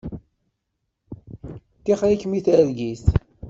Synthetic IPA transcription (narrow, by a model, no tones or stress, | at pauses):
t̪ːiχɾikːmiθəɾɡis